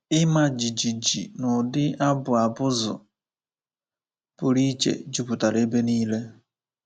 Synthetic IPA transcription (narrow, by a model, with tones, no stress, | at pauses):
ɪ˦ma˦d͡ʒi˨d͡ʒi˨d͡ʒi˨nʊ˨dɪ˦a˦bʊ˨a˨bʊ˦zʊ̰˨ | pʊ˨ɾi˦t͡ʃḛ˨d͡ʒu˦pu˨ta˨ɾe˦be˦niː˦le˦